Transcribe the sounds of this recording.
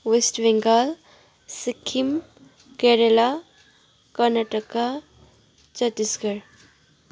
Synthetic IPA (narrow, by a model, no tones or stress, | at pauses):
ʋesʈbeŋɡal | sikʰim | keɾela | kəɾnaʈəka | t͡ɕət̪iskəɾ